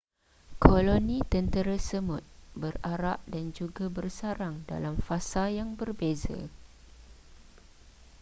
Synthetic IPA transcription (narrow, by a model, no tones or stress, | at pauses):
kʰolonĩt̪ənt̪əɾasəmʊt̪̚bəraɾaʔ̚dand͡ʒuɡabərsaɾaŋda̰lamfasajaŋbərbeza̰